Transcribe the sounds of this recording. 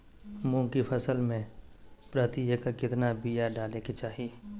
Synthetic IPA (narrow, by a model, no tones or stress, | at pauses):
mũːkipʰəsəlmẽpɾət̪iekakɪt̪nabijaɖaːleket͡ʃaːɦi